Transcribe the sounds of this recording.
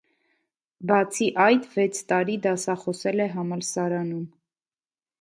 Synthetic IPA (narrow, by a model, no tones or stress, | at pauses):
bɑt͡sʰiʔɑjt̪vɛt͡sʰt̪ɑɾid̪ɑsɑχɔsɛlɛɦɑmɑlsɑɾɑnum